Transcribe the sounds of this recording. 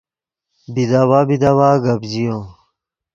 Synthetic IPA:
bid̪awabid̪awaːɡɐbd͡ʑijõ

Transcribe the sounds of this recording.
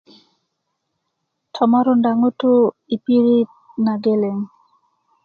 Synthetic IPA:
tʰɔmaɾondaŋoto | ipiɾit̚ | naɡeleŋ

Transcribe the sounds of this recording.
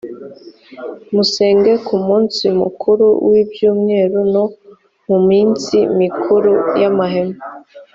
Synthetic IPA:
museːŋɡe̞kumuːnsimṵkʰuɾṵwibjuːmŋe̞ːɾuno̞ | mumiːnsimikʰuɾujamaɦema

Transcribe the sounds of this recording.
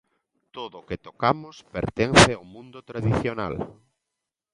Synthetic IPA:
t̪oðoket̪okamospḛɾt̪enθeaomũnd̪ot̪ɾaðiθjona̰l

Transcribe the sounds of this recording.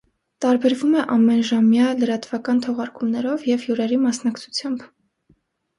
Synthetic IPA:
t̪ɑɾbɛɾvumɛʔɑmːɛnʒɑmjɑləɾɑt̪vɑkɑnt̪ʰɔʁɑɾkumnɛɾɔvjɛvjuɾɛɾimɑsnɑkt͡sʰu̥t͡sʰjɑmb

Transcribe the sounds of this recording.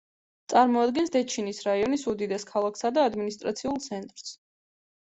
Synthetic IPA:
t̪sʼaɾmɔad̪ɡɛnsd̪ɛt͡ʃʰinisɾaiɔnisud̪id̪ɛskʰalˠakʰsad̪aːd̪minist̪ʼɾat̪sʰiulˠt̪sʰɛnt̪ʼɾs

